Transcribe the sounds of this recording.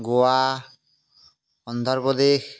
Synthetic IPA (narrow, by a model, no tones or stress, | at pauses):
ɡoa | ɔnd̪ʱɔɾpɔd̪ex